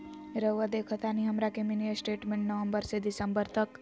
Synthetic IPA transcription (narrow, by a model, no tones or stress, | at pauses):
ɾəʋəd̪ekʰət̪ʰaniɦɐmɾakeminijəsʈeːʈmẽɳʈnəʋəmbəɾsed̪isəmbəɾt̪ək